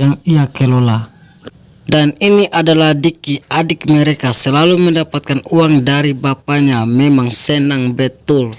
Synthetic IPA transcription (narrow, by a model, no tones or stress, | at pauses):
jaŋiakɛlɔla | daniniʔadalahdikiʔadik̚mɛɾɛkasɛlalumɛndapat̪̚kanuaŋdaɾibapaɲamɛmaŋsɛnaŋbɛt̪ul